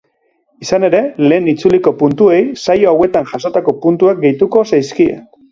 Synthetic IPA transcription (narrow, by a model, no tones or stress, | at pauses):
isane̞ɾe̞le̞ːnit͡suliko̞punt̪ue̞jsajo̞awe̞t̪anʝaso̞t̪ako̞punt̪uak̚ɡe̞jt̪uko̞sajskie̞̰n